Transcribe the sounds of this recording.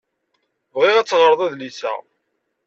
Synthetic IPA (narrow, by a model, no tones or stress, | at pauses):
vʁiʁæt͡sːʁɾðˤæðlisæ̰